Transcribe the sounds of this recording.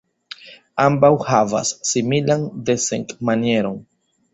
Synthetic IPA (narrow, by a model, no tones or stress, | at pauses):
ambawhava̰sːimilande̞seŋkmanie̞ɾo̞n